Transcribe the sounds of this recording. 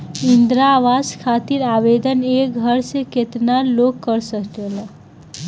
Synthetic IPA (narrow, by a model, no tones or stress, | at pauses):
ind̪ɾaʋazkʰat̪iɾabed̪ənek̚ɡʱəɾseket̪nalokːəɾsəkt͡ʃel